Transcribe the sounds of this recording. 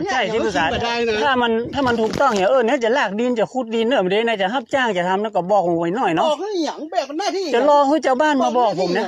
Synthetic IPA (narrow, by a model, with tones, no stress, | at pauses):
t͡ɕʰa˥˩jtʰiː˧˩t̪u˧˩saː˨˦t̪t̪ʰaː˧˥˩ma˧nt̪ʰaː˥˩ma˧nt̪ʰuː˨˩k̚t̪ɔ˥˩ŋhi˧˦ʔɤː˧ni˧˥˨t͡ɕa˨˩laː˧˩k̚di˧nt͡ɕa˨˩kʰu˧˥t̪̚diː˧nːɤː˧˩m˨˩de˧˦naː˧˥t͡ɕa˨˩ɦa˧˥˩p̚t͡ɕaː˧˥˩ŋt͡ɕa˨˩t̪ʰa˧mna˧˩kɔ˧˩bɔː˨˩k̚ʰo˧˩wa˧˩jnɔː˧˩jnɔ˧˥˨ɛ˧˨˩t͡ɕa˨˩lɔː˧hɯː˧˥˩t͡ɕa˧˨wbaː˧˥˩nmaː˧bɔː˨˩k̚pʰo˨˦mnɛ˧˥˨